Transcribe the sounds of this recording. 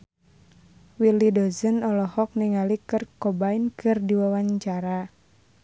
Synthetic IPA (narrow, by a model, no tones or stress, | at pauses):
wilidɔzənɔlɔhɔk̚niŋalikɨrkɔbainkɨrdiwawaɲt͡ʃaɾa